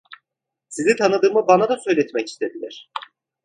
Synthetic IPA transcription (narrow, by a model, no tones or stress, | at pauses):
sizit̪ʰanɯd̪ɯːmɯbanad̪asø̞jlʲɛt̪mɛci̥st̪ʰe̞d̪ilʲæɾ̝̥